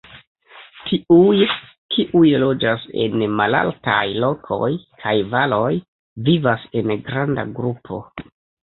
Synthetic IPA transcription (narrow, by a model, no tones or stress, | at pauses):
tʰiuj | kʰiʔujlo̞d͡ʒase̞̰nmala̰lta̰jlo̞kʰo̞̰jkʰajvalo̞j | vivase̞nɡɾanda̰ɡɾupʰo̞̰